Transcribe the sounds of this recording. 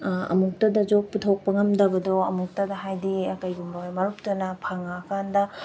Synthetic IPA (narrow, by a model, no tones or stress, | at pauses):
ɐ̰muk̚tɐdɐd͡ʒok̚putʰok̚pɐŋɐmdɐbɐdɔɐmuk̚tɐdɐɦajdiɐkɐjɡumbawamaɾup̚tɐnɐpʰaŋaːkʰandɐ